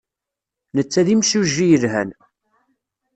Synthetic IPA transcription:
nət͡sːæðimʃuʒːijəlɦæn

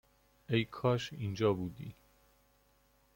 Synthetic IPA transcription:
ejkʰɒːʃiːnd͡ʒɒːbuːd̪ḭː

